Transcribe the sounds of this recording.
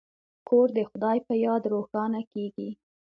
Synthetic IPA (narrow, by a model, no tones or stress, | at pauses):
kʰoɾd̪əxʊd̪ɑjpəjɑd̪ɾoxɑnakeɡi